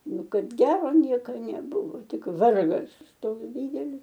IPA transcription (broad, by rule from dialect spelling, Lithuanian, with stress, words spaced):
ˈnʊ ˈkɐt ˈɡʲæːroː ˈnʲiɛkɐ nʲɛˈbʊʋoː ˈtʲɪk ˈʋɐrɡɐs ˈtoːks ˈdʲiːdʲɛlʲɪs